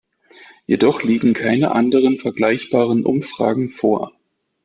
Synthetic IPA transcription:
jedɔχliːɡŋ̩kʰaɪnəʔandəʁənfɛɐɡlaɪçb̥aːʁ̞ənʔʊ̰mfʁ̥a̰ːɡŋ̩foːɐ

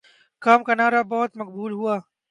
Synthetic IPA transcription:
kaːmkanaːɾabɔːʊt̪mɐk̚buːlɦuaː

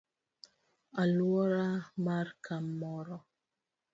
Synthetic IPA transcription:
aluɔɾamaɾkʰamːɔɾɔ

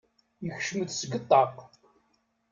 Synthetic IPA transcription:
jəçʃməd̪səɡət̪ˤːɑq

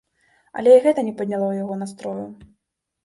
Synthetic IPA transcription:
ɐ̰lʲɛiɣɛt̪ɐnʲɛpɐd̪ʲnʲalˠɔwjaɣɔnast̪ɾɔju

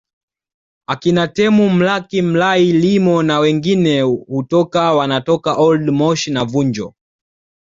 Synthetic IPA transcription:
akinatɛmum̩lakim̩lailimɔnawɛŋɡinɛhutɔkawanatɔkaʔɔldmɔʃnavuɲd͡ʒɔ̰

